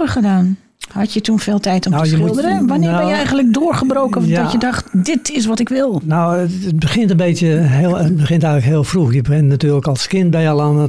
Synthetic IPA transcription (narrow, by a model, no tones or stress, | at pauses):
əχədaːn | hɑtjətunfɪːlˠtɛjtɔmnəsjəlˠdərənʋanɪəbɛnjəɛjɣənlək̚dʊːrχəbrowkəndɔjədɑxtdɪtʰɪs̬ʋɔtɪkʋɪlˠnowətbəxɪntənbeːtjəhəbəxɪntɛjɣləkɦɪːlˠfruxjəbəɪnnatyːrləkɔlˠskɪnbɛjəlˠanə